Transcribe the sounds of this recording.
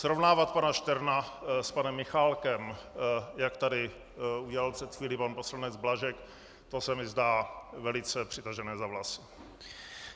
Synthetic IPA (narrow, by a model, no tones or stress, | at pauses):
sɾovnaːvat̪̚panaʃt̪ɛɾnaspanɛmːɪxalkɛm | jakt̪adɪ | uɟɛlalpr̥ɛt̪xʋiːlipanposlanɛd͡zblaʒɛk | t̪o̞sɛmɪzdaːvɛlɪt͡sɛpr̝̥ɪt̪aʒɛnɛːzavlasɪ̥